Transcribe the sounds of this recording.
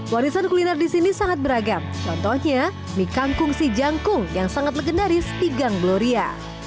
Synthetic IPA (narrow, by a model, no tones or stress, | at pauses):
waɾisankulinardisinisaŋat̪̚bəɾaɡamt͡ʃɔnt̪ɔhɲa | mikaŋkʊŋsid͡ʒaŋkʊŋjaŋsaŋat̪̚ləɡənaɾispiɡaŋɡəloɾia̰